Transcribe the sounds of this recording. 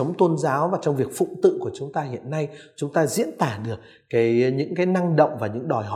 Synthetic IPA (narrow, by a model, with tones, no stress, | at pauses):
ə˨˦wŋ͡mt̪ə˧nzaː˨˦wvaː˨˩t͡ɕɔ˧wŋ͡mvi˨˩ək̚fʊ̰˧˨ŋ͡mt̪ɨ̰˧˨ku˧˩ət͡ɕʊ˨˦ŋ͡mt̪aː˧hḭ˧˨ənːa˧jt͡ɕʊ˨˦ŋ͡mt̪aː˧zḭ˧˥ənt̪aː˧˩ɗɨ˨˩ək̚ːaː˨˦jɲɨ̰˧˥ŋkaː˨˦jna˧ŋɗə̰˧˨wŋ͡mvaː˨˩ɲɨ̰˧˥ŋɗɔ˨˩jɦɔ˨